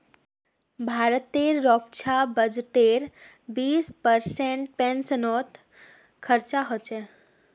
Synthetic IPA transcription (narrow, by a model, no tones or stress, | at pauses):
bʱaːɾət̪ːeːɾɾɔːkt͡ʃʰabəd͡ʒʈeːɾ | biːspəɾsẽɳʈ̚pɛnsənɔːt̪ | kʰəɾt͡ʃaɦot͡ʃɛː